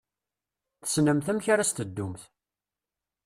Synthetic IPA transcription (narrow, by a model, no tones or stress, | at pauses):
θə̥snəmθæmçaɾast̪əd̪ːumθ